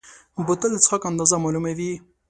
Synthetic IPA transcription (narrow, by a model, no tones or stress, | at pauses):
bʊt̪əlt͡sxakand̪ɑzamalumawi